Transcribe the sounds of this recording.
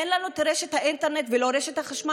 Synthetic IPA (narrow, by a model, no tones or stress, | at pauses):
enlanut̪ɾeʃet̪haʔint̪eɾnet̪veloɾeʃet̪haχaʃma